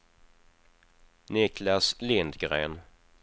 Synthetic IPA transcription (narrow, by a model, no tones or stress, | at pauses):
nɪklaslɪnd̪ɡɾeːn